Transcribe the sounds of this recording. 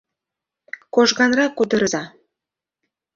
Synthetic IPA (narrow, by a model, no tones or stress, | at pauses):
koʒɣɑnɾɑkːud̪ə̆ɾɤ̆zɑ